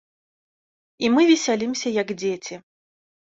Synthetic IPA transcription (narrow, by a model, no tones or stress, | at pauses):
imɨvʲisʲalʲimsʲɐjɐɡd͡zʲet͡sʲi